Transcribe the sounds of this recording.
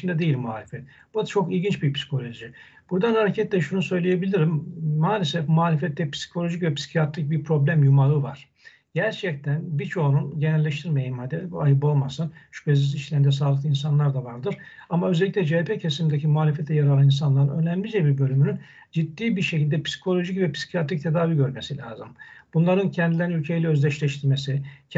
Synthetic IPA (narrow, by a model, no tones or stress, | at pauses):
nd̪ɛd̪e̞jilʲmuaːlʲefɛt̪̚ | b̥uat͡ʃʰo̞kilʲɟint͡ʃbipsi̥kʰo̞lʲo̞ʒi | b̥uɾd̪anhaɾecʰɛt̪lʲɛʃunusø̞jlʲejebilʲiɾimːaːlʲesɛfmuaːlʲefɛt̪ːɛpsi̥kʰo̞lʲo̞ʒicvɛpi̥si̥cʰijat̪ɾic̚biɾpʰɾo̞blʲæmjumaɾɯvaɾ̥ | ɟ̥æɾt͡ʃʰɛc̚t̪ʰænbit͡ʃʰo̞nunɟenælʲːɛʃt̪ʰiɾmejimad̪ebuajɯp̬o̞lˠmasɯnʃy̥pʰeziziʃlʲɛind̪ɛs̬aːlˠɯk̚lˠɯinsanlˠaɾd̪avaɾd̪ɯɾ̥amaøzɛlʲːicʲlʲɛd͡ʒepʰecʰesimind̪ecʰimuaːlʲefɛt̪ʰɛjaɾalˠɯins̬anlˠaɾɯnø̞næmlʲid͡ʒɛbiɾbø̞lʲymynyn | d͡ʒid̪ːiːbiɾʃecilʲd̪ɛpʰi̥si̥kʰo̞lʲo̞ʒicvɛpi̥si̥cʰijat̪ɾic̚t̪ʰed̪aːviɟø̞ɾmesilʲaːzɯmb̥unlˠaɾɯncʰɛnd̪ilʲeɾinylʲcʰe̞jilʲɛø̞zlʲɛʃlʲɛʃt̪ʰiɾmesi